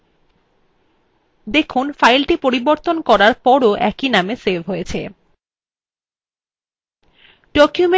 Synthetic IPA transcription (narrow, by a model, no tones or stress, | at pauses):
d̪ekʰunfajlʈipoɾiboɾt̪onkɔɾaɾpɔɾoʔɛkinamesebʱɦojet͡ɕʰe | ɖ̥ɔkjume